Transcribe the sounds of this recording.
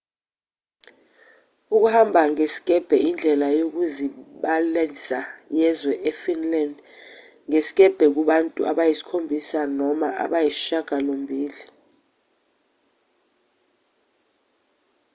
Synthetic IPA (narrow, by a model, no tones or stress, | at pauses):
uk̬uhambʱaŋesi̥ɡ̥ʱʼɛb̥ʱɛʔind͡ɮʱɛlajok̬uziɓalat͡sʼajɛzwɛʔɛfinland | ŋesi̥kʼɛb̥ʱɛk̬uɓantʼṵʔa̰ɓajisi̥kʰombʱisanɔmaʔa̰ɓajisi̥ʃaɡ̥ʱalombʱiːli